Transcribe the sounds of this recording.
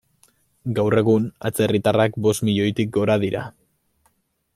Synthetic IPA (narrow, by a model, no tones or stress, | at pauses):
ɡawre̞ɣ̞una̰t͡se̞rit̪arakbo̞st̪miʎo̞jt̪ik̚ɡo̞ɾaðiɾa̰